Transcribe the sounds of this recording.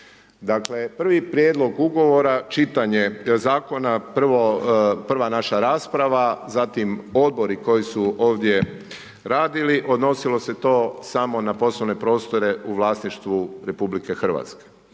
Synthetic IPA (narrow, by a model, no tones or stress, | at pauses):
d̪akle̞pr̩ʋipɾjed̪lˠo̞ɡuɡo̞ʋo̞ɾat͡ʃit̪aɲezaːko̞napr̩ʋopr̩ʋanaʃaɾaːspɾaʋazat̪imo̞d̪̚bo̞ɾiko̞jisuo̞ːʋd̪je̞ | ɾaːd̪iliʔo̞d̪no̞silo̞se̞t̪o̞ːsamo̞napo̞sloʋne̞pɾo̞ːst̪o̞ɾe̞ʔuʋlaːsniʃt̪ʋuɾe̞publike̞xr̩ʋa̰t̪ske̥